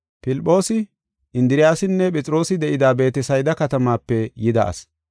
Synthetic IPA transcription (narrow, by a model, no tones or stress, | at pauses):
pɪlpʼːo̞ːsɪ | ɪnd̪ɪɾɪjaːsɪnːɛpʼɛt͡sʼɪɾo̞ːsɪd̪ɛʔɪd̪aːbe̞ːt̪ɛsɐjd̪ɐkɐt̪ɐmaːpːɛjɪd̪ɐ̰ʔɐ̰s